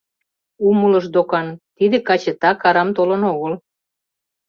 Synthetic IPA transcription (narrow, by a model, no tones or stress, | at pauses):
umulə̆ʃd̪okɑnt̪id̪ĕkɑt͡ɕĕt̪ɑkɑɾɑmt̪olɤnoɣəl